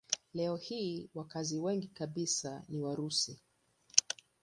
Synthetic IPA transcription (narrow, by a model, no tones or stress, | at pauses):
lɛɔhiːwakaziwɛŋɡikaɓisaniwaɾusi